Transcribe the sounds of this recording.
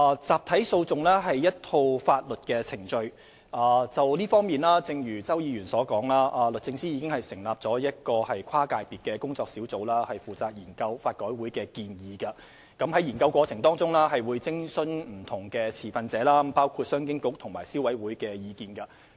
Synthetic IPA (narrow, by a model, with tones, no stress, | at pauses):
aː˨˧t͡saː˨˩p̚t̪ʰɐ˨˥jso˧wt͡sʊ˨ŋlɛː˥ɦɐ˨jjɐ˥t̚t̪ʰo˧wfaː˧t̚lɵ˨t̚kɛː˧t͡sʰɪ˨˩ŋt͡ʃɵ˧ɥ | ʔaː˨t͡sɐ˨wliː˥fɔː˥ŋmiː˨nlaː˥t͡sɪ˨˧ŋjyː˨˩t͡sɐ˥wjiː˨˧ɥyː˨˩nsɔː˨˥kɔː˨˥ŋlaː˥ʔaː˨lɵ˨t̚t͡sɪ˧ŋsiː˥jiː˨˧kɪ˥ŋhɐ˨˩jsɪ˨˩ŋlaː˨p̚t͡sɔː˨˥jɐ˥t̚kɔː˧hɐ˨jkʰaː˥kaː˧jpiː˨t̚kɛː˧kʊ˥ŋt͡sɔː˧k̚siː˨˥wt͡so˨˥wlaː˥hɐ˨jfuː˨˩t͡saː˧k̚jiː˨˩nkɐ˧wfaː˧t̚kɔː˨˥jwuː˨˥jkɛː˧kiː˧njiː˨˧kɐ˧ | kɐ˨˥mhɐ˨˥jiː˨˩nkɐ˧wkʷɔː˧t͡sʰɪ˨˩ŋt̪ɔː˥ŋt͡sʊ˥ŋlaː˥ɦɐ˨jwuː˨˧jt͡sɪ˥ŋsɵ˨˥nm̩˨˩t̪ʰʊ˨˩ŋkɛ˧t͡sʰiː˨˩fɐ˨˧nt͡sɛː˨˥laː˥paː˥wkʰu˧t̚sœː˥ŋkɪ˥ŋkʊ˥k̚t̪ʰʊ˨˩ŋmaː˨˩jsi˥wɐ˨˥jwuː˨˥jkɛː˧jiː˨˧kiː˨˧nkɐ˧